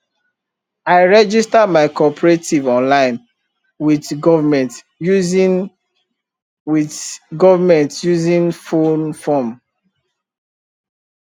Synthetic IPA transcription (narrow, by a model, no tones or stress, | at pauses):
aɪɹɛd͡ʒistamaɪkɔpʰəɹetivɔ̃nlãɪ̃n | widɡɔvmɛ̃nt | juz | wiθɡɔvamɛ̃ntjuzĩnfonfɔm